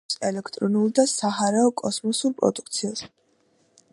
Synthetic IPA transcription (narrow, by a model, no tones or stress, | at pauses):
sɛlɛkʰt̪ʼɾɔnulˠd̪asaɦaɾaɔkʼɔsmɔsuɾpʼɾɔ̰d̪uk̚ʰt̪sʰias